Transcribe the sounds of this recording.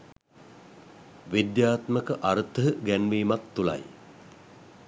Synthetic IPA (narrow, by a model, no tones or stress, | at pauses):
ʋid̪jaːt̪məkəʔaɾət̪əɦəɡænʋiːmak̚t̪ula̰j